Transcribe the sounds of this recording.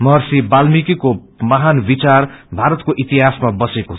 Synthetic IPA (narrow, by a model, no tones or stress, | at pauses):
mʌɦʌrsibalmikiko | mʌɦanbit͡sarbʱaɾʌt̪koʔit̪iɦasmabʌseko